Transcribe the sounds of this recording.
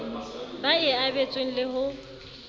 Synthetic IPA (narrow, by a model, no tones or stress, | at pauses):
baɪabet͡sʼweŋ̩lɪɦʊ